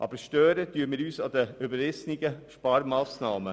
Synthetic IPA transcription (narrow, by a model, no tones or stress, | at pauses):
ʔɑ̰ːbəʃtœːɾətyːəmiːɾyːsɑd̪əybəɾɪsnɪɡəʃpɑːɾmɑːsnɑːmə